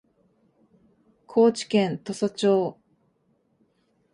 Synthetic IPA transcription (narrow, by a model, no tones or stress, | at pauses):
kʰo̞ːt͡ɕi̥kẽnt̪o̞sat͡ɕoː